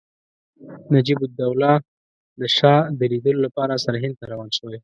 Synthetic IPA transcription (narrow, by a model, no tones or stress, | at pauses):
nad͡ʒibʊd̪awlɑ | d̪əʃɑd̪əɾid̪əlolapɑɾasaɾaɦɪnd̪̚t̪aɾawɑnʃəwaj